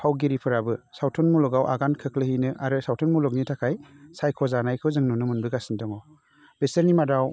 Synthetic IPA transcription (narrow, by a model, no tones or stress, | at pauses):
pʰawɡiɾipʰɯɾabɯsawtʰɔnmulɔɡawʔa̰ɡankʰɯklɯhinɯʔaɾɯsawtʰɔnmulɔk̚nitʰakʰajsajkʰɔzanajkʰɯwzɯŋnɔnɯmɯnbɯɡasindɔŋɔ | b̥eseɾnimadaw